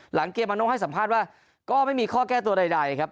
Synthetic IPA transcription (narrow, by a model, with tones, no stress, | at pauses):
la˩˦ŋkeː˧˩pma˧no˦˥ha˥˩jsa˩˦mpʰaː˥˩t̪̚waː˥˩ | kɔː˥˩ma˥˩jmiː˧kʰɔː˥˩kɛː˥˩t̪u˧ɐɾa˧jda˧jkʰa˦˥p̚